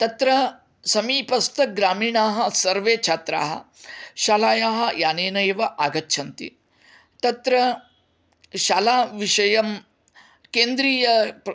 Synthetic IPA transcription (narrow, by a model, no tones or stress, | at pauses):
t̪ɐt̪ɾɐ | sɐmiːpɐst̪ʰɐɡɾaːmiːɳaːɦɐ̆sɐɾʋeːt͡ʃʰaːt̪ɾa̰ːɦɐ̰ʃaːlaːjaːɦɐ̆jaːneːnɐjɐʋɐʔaːɡɐtːʃʰɐnt̪ḭ | t̪ɐt̪ɾɐ | ʃaːlaːʋiʂɐjɐm | keːnd̪ɾiːjɐ